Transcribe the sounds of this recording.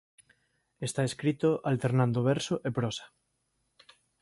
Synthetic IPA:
est̪aeskɾit̪oʔalt̪eɾnãnd̪oβɛɾsoʔepɾɔsḁ

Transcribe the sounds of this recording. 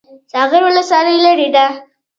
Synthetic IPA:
sɑɣɪɾwʊləswɑləjlaɾid̪a

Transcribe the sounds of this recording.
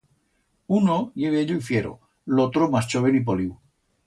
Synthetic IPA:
unojeβeeʎoifjeɾo̰ | lot̪ɾomast͡ʃoβenip̬oliw

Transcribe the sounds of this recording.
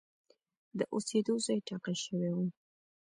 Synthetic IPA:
d̪əʔosed̪ozɑjʈɑqaʃəwewu

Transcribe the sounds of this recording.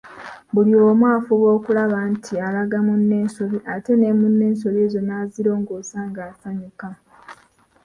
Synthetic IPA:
bulioːmwaːfuβo̞ːkulaβantʰialaɡamunːe̞ːnsoβiʔate̞ne̞munːe̞ːnso̞βeːzo̞naːziɾo̞ːŋɡoːsaːŋɡaːsaɲuka

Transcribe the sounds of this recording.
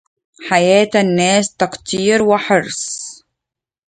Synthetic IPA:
ħajaːt̪anːæːst̪ɑqt̪iːɾwɪħɑɾsˤ

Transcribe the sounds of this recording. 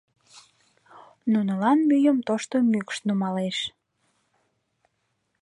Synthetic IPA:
nunəlɑnmyjəmt̪oʃt̪omykʃnumɑleʃ

